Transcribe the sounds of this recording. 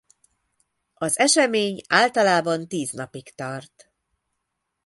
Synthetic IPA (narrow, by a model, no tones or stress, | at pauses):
ɒzɛʃɛmeːɲaːlt̪ɒlaːbɒnt̪iːznɒpikt̪ɒrt̪